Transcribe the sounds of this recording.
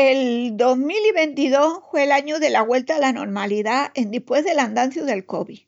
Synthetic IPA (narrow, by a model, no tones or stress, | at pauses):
e̞ld̪o̞zmiliβe̞nt̪iðo̞fwe̞laɲuðe̞laɣwe̞lt̪aːlano̞̰ɾmaliðae̞nd̪ihpwe̞zðe̞land̪anθjuðe̞lkoβi